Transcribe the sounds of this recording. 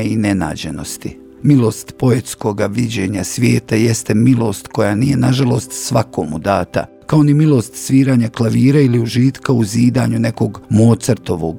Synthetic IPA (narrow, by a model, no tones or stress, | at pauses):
einena̰ːd͡ʑeno̞st̪ḭ | milo̞ːst̪po̞e̞t̪sko̞ɡaʋid͡ʑe̞ːɲasʋʲjeːt̪ajest̪emilo̞ːst̪ko̞jaːnije̞naʒalˠo̞ːst̪sʋakoːmud̪aːt̪a̰ | kao̞nimilo̞st̪sʋiːɾaːɲaklaʋiːɾailiuʒiːt̪kauziːd̪a̰ːɲune̞ko̞ɡmoːt̪srt̪o̞ʋo̞ɡ